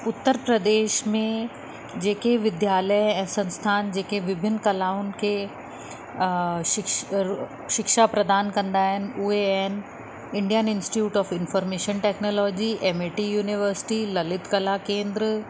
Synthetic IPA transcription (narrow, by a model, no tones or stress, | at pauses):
ʊt̪ːəɾpɾɐd̪eːʃmẽ | d͡ʑeːkeʋɪd̪jaːləjɛ̃ːsɐ̃nst̪ʰaːnd͡ʑeːkeʋɪbʱɪnːkɐlaːʊn̆kʰe | ʃɪ | ʃɪkʃapɾɐd̪aːnkɐ̃nd̪aːɦɪnɪ̆ʊɦeɛɦnɪ̆ | ɪ̃ɳɖijənɪ̃nsʈiuːʈɔːfɪnfɔːɾmeːʃənʈeːknoːlɔːd͡ʑiʔeːmeʈijuːnɪʋəɾsɪ̥ʈilɐlɪt̪kɐlakẽːnd̪ɾ